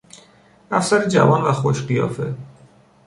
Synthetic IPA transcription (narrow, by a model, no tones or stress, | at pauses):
ʔæfsæɾed͡ʒæ̰vɒːnvæxoʃɢijɒ̰ːfe̞